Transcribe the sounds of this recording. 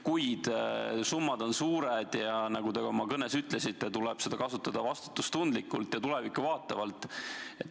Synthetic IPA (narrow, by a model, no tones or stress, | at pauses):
kujd̪̥sumːɑd̪o̞nsuːɾed̪̥jɑnɑɡ̥ud̪eɡomɑkɤne̞syt̪ˑlesit̪ːˑet̪ulɛb̥se̞d̪̥ɑkɑsut̪ːˑɑd̪̥ɑvɑst̪u̥t̪ːˑust̪und̪likːˑult̪jɑt̪ule̞vikːuvɑːt̪ːˑɑvɑlt̪ˑe̞t̪ː